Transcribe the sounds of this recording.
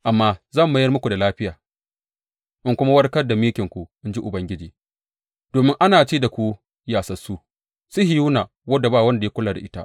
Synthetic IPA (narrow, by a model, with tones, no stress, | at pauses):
ʔa˨mːaː˦zɐ˦˨mba˦jɐ˦rmʊ˦kʷu˨da˨laː˦ɸɪ˦jaː˨ | ʔɪ˦ŋkʷʊ˦ma˦wɐ˦rkɐ˦rda˨mɪ˦kʲɪ˨ŋkʷu˨ʔɪ˦nd͡ʒi˦ʔʊ˨bɐ˦ŋɡʲɪ˦d͡ʒiː˨ | d̥oː˨mɪ˦ŋʔa˦naː˨t͡ʃeː˦da˨kʷu˦ | jaː˨sɐ˨su˦ | sʊ˦ɦɪ˨ju˦naː˨ | wɐ˦da˨baː˦˨wɐ˦nda˨je˦kʷʊ˦laː˨da̰˨ʔɪ˦ta̰˦ʔ